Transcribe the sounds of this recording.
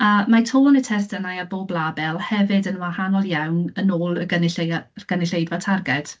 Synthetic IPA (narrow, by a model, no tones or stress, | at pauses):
əmatʰoːnətʰɛrsdənajaboːblˠabɛlˠhɛvɨdənwahanɔlˠjawnənoːlˠəɡənɪɬeɡ̥ənɪɬejdvatʰarɡɛd̥